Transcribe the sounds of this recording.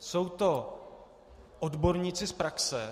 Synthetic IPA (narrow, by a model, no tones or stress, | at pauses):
so̞wt̪o̞ | ʔodbo̞ɾɲɪt͡sɪspɾaksɛ